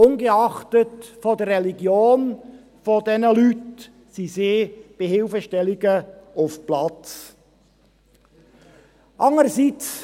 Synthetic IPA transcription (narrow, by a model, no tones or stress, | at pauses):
ʊnɡəɑχtətfodərːɛliɡjoːn | fodɛnəlyt | siseːb̥ehɪlfəʃtɛliɡəʊfplɑt͡s | ʔɑŋəɾsit͡s